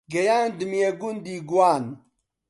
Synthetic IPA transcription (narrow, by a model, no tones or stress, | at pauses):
ɡɐjaːnd̪ɨmijeɡund̪iːɡuwaːn